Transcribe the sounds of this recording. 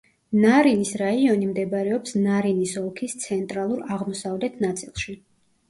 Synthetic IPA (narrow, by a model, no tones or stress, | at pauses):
naɾinisɾaiɔnimd̪ɛbɾɛɔpsnaɾinisɔlˠkʰist̪sʰɛnt̪ʼɾalˠuɾaʁmɔsavlɛt̪ʰnat̪sʼilˠʃi